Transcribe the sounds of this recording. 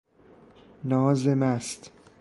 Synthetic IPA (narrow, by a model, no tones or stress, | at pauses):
nɒːzemæst̪